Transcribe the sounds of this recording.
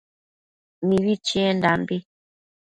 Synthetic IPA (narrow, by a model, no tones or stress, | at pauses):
miwit͡ʃɛndambe